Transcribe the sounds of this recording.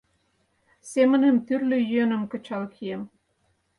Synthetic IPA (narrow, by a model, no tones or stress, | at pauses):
semə̆nə̆mt̪yrlʲø̆jyønə̆mkɤ̆t͡ɕɑlkʰiem